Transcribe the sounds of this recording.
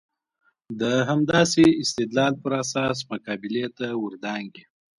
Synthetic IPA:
d̪əɦamd̪ɑseɪst̪ɪd̪lɑlpəɾasɑs̬makɑbɪlet̪awʊɾd̪ɑŋɡi

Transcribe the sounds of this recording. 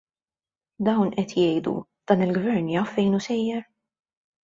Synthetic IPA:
d̪ɐwnʔɛt̪jɛjd̪ṵ | d̪̥ɐːnɪlɡvɛɾnjɐfːɛjnusɛjːɛɾ

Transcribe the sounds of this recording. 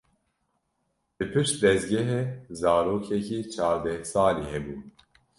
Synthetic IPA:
b̥ɨpʰɨʃt̪̚d̪ɛzɡɛɦeːzɑːɾoːkʰɛkʰiːt͡ʃʰɑːɾd̪ɛhsɑːliːhɛbuː

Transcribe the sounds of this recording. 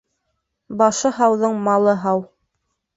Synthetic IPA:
bɑʃɤɦɑwðɤɴmɑlˠɤɦɑw

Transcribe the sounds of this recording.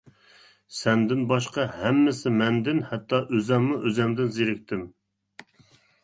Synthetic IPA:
sɛnd̪ɪnbɑʃqɑhɛmːɪsɪmɛnd̪ɪnhɛt̪ʰːɑʔøzɛmːuʔøzɛmd̪ɪnzeɾɪk̚ʲt̪ʰɪm

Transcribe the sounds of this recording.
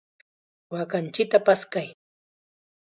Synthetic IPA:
wakant͡ʃɪk̚t̪apaskaj

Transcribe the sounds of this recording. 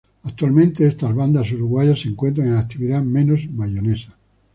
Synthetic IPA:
ak̚t̪walmẽnt̪eest̪azβand̪as̬uɾuɣwaʝasːeŋkwe̞nt̪ɾaŋenak̚t̪iβiðamẽ̞nozmaʝone̞sḁ

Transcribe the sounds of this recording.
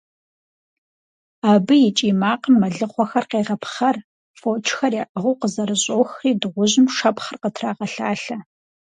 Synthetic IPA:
aːbɨjɪt͡ʃʼiːmaːqəmːɐɮɨχʷɔxɐrqeːʁɐpχɐr | foːt͡ʃʰxɐrjaːʔəʁuwqəzɐɾɨɕʼoːxriːdɨʁʷʊʑɪmʂɐpχərqətʰraːʁɐɬaːɬɐ

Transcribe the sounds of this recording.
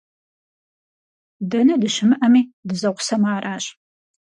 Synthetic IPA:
dɐnɐdɨʃɪmɨʔɐmiːdɨzɐqʷʊ̥sɐmaːraːɕ

